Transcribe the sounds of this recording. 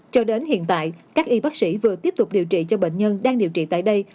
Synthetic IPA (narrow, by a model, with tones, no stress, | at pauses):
t͡ɕɔ˧ɗe˨˦nhḭ˧˨ənt̪a̰ː˧˨jkaː˦˥k̚ʔi˧ɓaː˦˥k̚sḭ˧˥vɨ˨˩ət̪i˦˥əp̚t̪ʊ˨˩k͡p̚ɗi˨˩əwt͡ɕḭ˧˨t͡ɕɔ˧ɓḛ˧˨ŋ̟ɲə˧nɗaː˧ŋɗḭ˧˨wt͡ɕḭ˧˨t̪a̰ː˧˨jɗə˧j